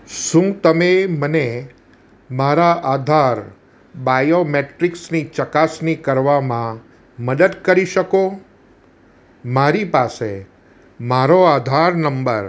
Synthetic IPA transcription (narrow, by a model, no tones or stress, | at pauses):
ʃũt̪əmeməne | maɾaʔad̪ʱaɾ | bajomeʈɾiksnit͡ʃəkasnikəɾʋamã | məd̪əd̪kəɾiʃəko | maɾipase | maɾoad̪ʱaɾnəmbəɾ